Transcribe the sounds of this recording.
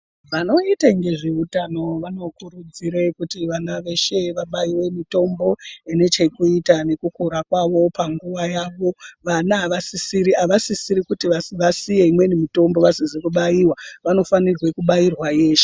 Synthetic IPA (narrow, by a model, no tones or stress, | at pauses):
ʋano̞itaŋɡe̞ʐeutano̞ʋano̞kuɾud͡ziɾekutiʋanaʋe̞ʃe̞ʋaɓaiwe̞mito̞mbo̞ene̞t͡ʃe̞kuitane̞kukoɾakwaʋo̞paŋɡuʋajaːʋo̞ʋanaːʋasisiɾiaʋasisiɾikutiaʋasijeimwe̞nimito̞mbo̞ʋasizikuɓaiwaʋano̞fanirwe̞kuɓairwaje̞ːʃe̥